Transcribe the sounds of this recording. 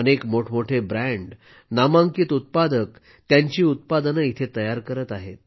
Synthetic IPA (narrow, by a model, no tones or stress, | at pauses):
ənekmoʈʰmoʈʰebɾæɳɖ | namãŋkiːt̪ut̪̚pad̪ək̚ | t̪jaɲt͡ɕiːut̪̚pad̪ənəit̪ʰet̪əjaɾkəɾət̪aɦet̪̚